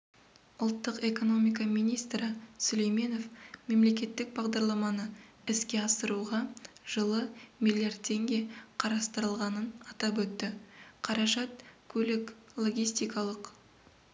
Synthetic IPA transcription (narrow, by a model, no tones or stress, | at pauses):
ʊlˠt̪ːəqe̞ko̞no̞mijkɑmijnijst̪ɾɪsɵlejme̞no̞fme̞mle̞kʲe̞t̪ːɪk̚bɑʁd̪ɑɾlˠɑmɑnə | ɪskʲe̞ɑsəɾuʁɑʒ̥əlˠəmʲilˠiard̪̚t̪ʰe̞ŋɡʲe̞qʰɑɾɑst̪əɾəlˠʁɑnənɑt̪ɑpwɵt̪ːɪqʰɑɾɑʒɑt̪̚kʲʰɵlɪklˠo̞ɡʲijst̪ijkɑlˠəq